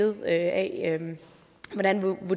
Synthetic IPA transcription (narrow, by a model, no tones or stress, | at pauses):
ð̩ˠøɛøm | ʋɒɾænʋʋo